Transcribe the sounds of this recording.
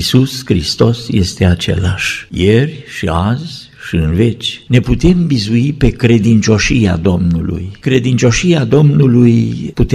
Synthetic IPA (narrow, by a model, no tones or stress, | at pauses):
suskɾist̪o̞sje̞st̪e̞at͡ʃe̞̰laʃjerʲʃiazʲ | ʃiɨnve̞t͡ʃʲne̞put̪e̞mbizuipe̞kɾe̞d̪int͡ʃo̞ʃija̰d̪o̞mnṵlṵjkɾe̞d̪int͡ʃo̞ʃijad̪o̞mnulujput̪